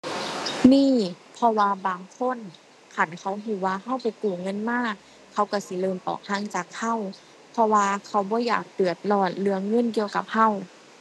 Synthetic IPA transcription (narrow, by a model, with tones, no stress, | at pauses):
niː˧˥˨ | pʰɔ˧waː˧baː˨˩ŋkʰo˧˥˨n | kʰa˧˩nkʰa˧˩wɦuː˧˩waː˧ha˧˥˨wpa˨jkuː˨˩ŋɤ˧˥˨nmaː˧˥˩ | kʰa˧˩wka˧˩si˧˦lɤː˧˨mt̪ɔ̰ː˨˩k̚t̪ʰaː˧˥˨ŋt͡ɕaː˨˩kha˧˥˨w | pʰɔ˧waː˧kʰa˧˩wbɔː˧˦ja̰ː˨˩k̚t̪ɯ˨˩ət̪̚lɔː˧˩t̪̚lɯ˧ɐəŋːɤ˧˥˨nki˧əwka˧˩p̚ha˧˥˨w